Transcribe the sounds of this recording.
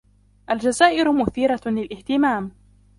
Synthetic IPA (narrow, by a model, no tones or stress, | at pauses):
ʔald͡ʒazaːʔɪɾʊmʊθiːɾɑlɪlʔɪht̪ɪmaːm